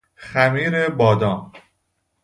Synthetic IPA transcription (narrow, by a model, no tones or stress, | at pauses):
xæmiːɾebɒːd̪ɒːn